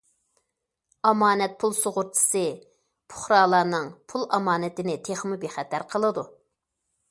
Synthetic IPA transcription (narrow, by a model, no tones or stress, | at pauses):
ɑmɑːnɛt̪̚pʰulˠsoʁʊɾt͡ʃ̪ʰɨ̥sɨ | pʰʊ̥χɾɑːlˠɑːnɨŋpʰulˠɑmɑːnɪt̪ɪnɪt̪ʰeχmɨbeχɛt̪ʰæɾqʰəlˠɨd̪u